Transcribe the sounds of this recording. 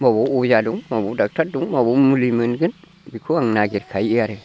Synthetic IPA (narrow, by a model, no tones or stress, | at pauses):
maboujaduŋmabudak̚taɾduŋmabumulimɨnɡɨn | bikʰoaŋnaɡiɾkʰajiaɾe